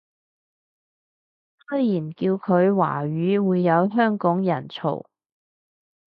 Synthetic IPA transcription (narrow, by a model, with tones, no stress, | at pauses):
sɵ˥jjiː˨˩nkiː˧wkʰɵ˨˧ɥwa̰ː˨˩ɥyː˨˥wuː˨˧jːɐ˨˧wɦœː˥ŋkɔː˨˥ŋjɐ˨˩nt͡sʰo̰˨˩w